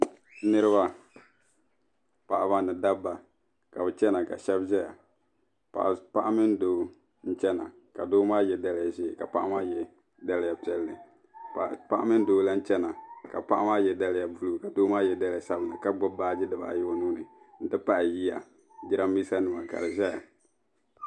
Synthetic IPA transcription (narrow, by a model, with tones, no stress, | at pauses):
nɨ˦ɾɨ˦ba˦ | pa˨ʔa˨ba˦nɨ˨da˦bːa˨ | ka˨bɛ˨t͡ʃɛ˦na˨ka˨ʃɛ˦bzɛ˦ja̰˨ | pa̰˨pa˦ʔa˦mɪ˦n˦doː˨˦ | n̩˦t͡ʃɛ˦na̰˨ | ka˨doː˦maː˦jɛ˦da˦lɪ˦ja˨zeː˦˨ka˨pa˦ʔa˦maː˦jɛ˦ | da˦lɪ˦ja˨pi˦ɛ˦lːɨ˨ | pa˦ʔa˦mɪ˦n̩˦doː˨˦la˦n̩˦t͡ʃɛ˦na˨ka˨pa˦ʔa˦maː˦jɛ˨da˦lɪ˦ja˨bu˦lu˦˨ka˨doː˦maː˦jɛ˦da˦lɪ˦ja˨sa˦bɨ˨na̰˨ka˦ɡ͡bʊ˦baː˦d͡ʒɪ˦dɨ˨ba̰˨ʔa̰˨jɛ˦o˦nuː˦nɨ˨ | n̩˦dɨ˦pa˦ʔji˦ja̰˨ | d͡ʒi˦ɾa˦mi˦sa˦nɨ˨ma˨ka̰˨lɨ˨ʒɛ˦ja̰˨